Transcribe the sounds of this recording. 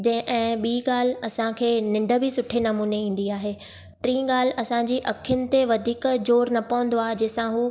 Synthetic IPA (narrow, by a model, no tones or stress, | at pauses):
d͡ʑɐ̃ɪ̃ʔɛ̃ːɓiːɠaːl̤ɐsãkʰeːnɪ̃ɳɖə̆bɪsʊʈʰenɐmuːneĩːn̆d̪iaːɦeː | ʈɾĩːɡaːl̤ɐsãɲd͡ʑiːʔɐkʰjʊnɪ̆t̪eʋɐd̪ʱiːkd͡ʑoːɾnɐpɐʋə̃n̆d̪oaːɦed͡ʑɐːɪsãɦuː